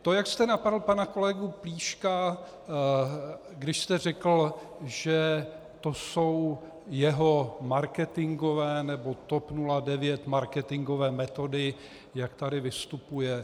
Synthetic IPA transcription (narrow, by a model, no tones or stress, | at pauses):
t̪ojakst̪ɛnapadl̩panako̞lɛɡupliːʃka | ɡdɪʃst̪ɛr̝ɛkl̩ | ʒɛ | t̪o̞so̞w | jɛɦo̞maɾkɛt̪ɪŋɡo̞vɛːnɛbo̞t̪o̞pnuladɛvjɛt̪maɾkɛt̪ɪŋɡo̞vɛːmɛt̪o̞dɪ | jakt̪adɪvɪst̪upujɛ